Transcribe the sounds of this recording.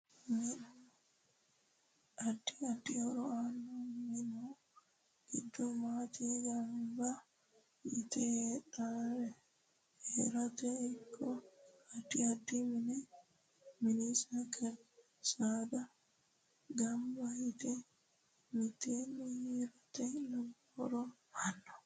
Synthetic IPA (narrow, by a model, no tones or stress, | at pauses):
min | adːiadːiɔɾɔanːɔminɔ | ɡid̪ːɔmat̪iɡamba | jit̪ɛɗaɾɛ | hɛɾat̪ɛikʰːɔadiadːiminɛ | minisakʰɛ | sad̪a | ɡambait̪ɛ | mit̪enihiɾat̪ɛlaɡhɔɾɔ | anːɔ